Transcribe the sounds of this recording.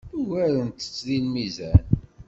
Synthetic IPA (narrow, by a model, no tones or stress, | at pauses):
uwæɾənt̪ə̥t͡sːðilmizæn